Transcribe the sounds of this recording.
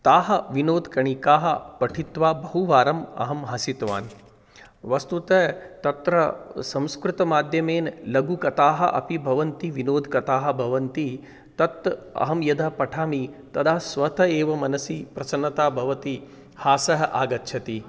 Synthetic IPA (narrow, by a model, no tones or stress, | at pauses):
t̪aːɦɐʋinoːd̪kɐɳikaːɦɐpɐʈʰit̪ʋaːbɐɦuʋaːɾɐmɐ̰ɦɐmɦɐsit̪ʋa̰ːn | ʋɐst̪ut̪ɐt̪ɐt̪ɾɐsɐ̃mskɾut̪ɐmaːd̪ʱjɐmeːnlɐɡukɐt̪aːɦɐʔɐ̰pibʱɐʋɐnt̪iʋinoːd̪kɐt̪aːɦɐ̆bʱɐʋɐnt̪i | t̪ɐt̪ːɐ̰ɦɐmjɐd̪ʱaːpɐʈʰaːmit̪ɐd̪ʱaːsʋɐt̪ʰɐeːʋɐmɐnɐsipɾɐsɐnːɐt̪aːbʱɐʋɐt̪i | haːsɐɦɐʔaːɡɐt̪ːʃʰɐt̪i